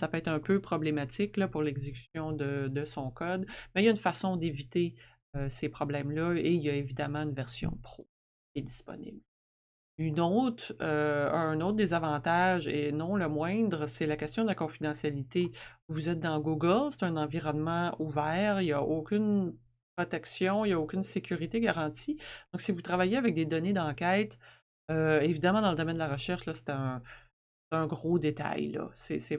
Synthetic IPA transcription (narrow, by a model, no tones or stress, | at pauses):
sapøɛt̪χɛ̃pøpχɔblemat̪ɪklʌpʊʁlɛɡzekʲy̥sjɔ̃d̪əd̪əsɔ̃kɔd̪mɛjaynfasɔ̃d̪evit̪e | øsepχɔblɛ̃mlʌejaevid̪amɑ̃ynvɛʁsjɔ̰̃pχo | kʲjɛd̪i̥spɔ̰nɪ̰bl | ynɔt̪χø̃noʊt̪̚d̪ezavɑ̃t̪aʒḛnɔ̃ləmwɛ̃d̪ʁəsɛlakʲɛst̪jɔ̃d̪əlakɔ̃fid̪ɑ̃sjalit̪evuzɛt̪̚d̪ɑ̃ɡuɡəlse̥t̪ɛ̃nɑ̃viʁɔnmɑ̃uvɛːʁijaokʲʏn | pχɔt̪ɛksjɔ̃ijaokʲʏnsekʲyʁit̪eɡaʁɑ̃t̪id̪̥ɔ̃ksivut̪ʁavajeavɛk̚d̪ed̪ɔned̪ɑ̃ːkʲɛɪt̪ | øevid̪amaɑ̃d̪ɑ̃ləd̪ɔmɛnd̪əlaʁəʃɛʁʃlʌse̥t̪ɛə̃ | se̥t̪ɛ̃ɡʁod̪et̪a̰jlʌ̰sɛsɛ